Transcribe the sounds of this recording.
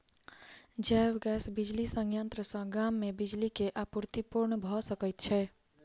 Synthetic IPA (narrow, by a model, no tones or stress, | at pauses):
d͡ʒɛːwɡɛsbid͡ʒlisə̃ŋɡjənt̪ɾəsə̃ɡamːẽbid͡ʒlikeʔapuɾt̪ipuɾɳbʱɔsəkət̪̚t͡ʃʰɛ